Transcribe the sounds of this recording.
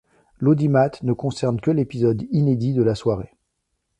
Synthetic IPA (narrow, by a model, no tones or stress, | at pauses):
lod̪imat̪nəkɔ̃sɛʁnkʲəlepizɔd̪ined̪id̪əlaswaʁe